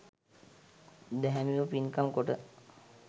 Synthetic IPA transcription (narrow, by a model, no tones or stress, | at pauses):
d̪ɛɦæmiʋəpinkamkoʈə